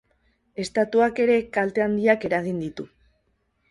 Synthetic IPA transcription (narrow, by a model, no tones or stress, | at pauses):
e̞st̪at̪uake̞ɾe̞kalt̪e̞and̪iake̞ɾaɣ̞ind̪it̪u